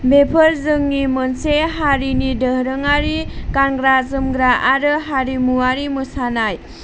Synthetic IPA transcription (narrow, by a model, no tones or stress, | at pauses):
bepʰəɾzɯŋːimɯnseɦaɾinidəhɾɯŋaɾikanɡɾazɯmɡɾaʔaɾɯɦaɾimuwaɾimɯsanaj